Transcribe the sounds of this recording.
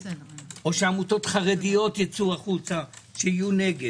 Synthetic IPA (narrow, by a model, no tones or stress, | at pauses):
o̞ʃeamut̪o̞t̪χaʁedijo̞t̪jat͡suaχut͡saʃeijune̞ɡe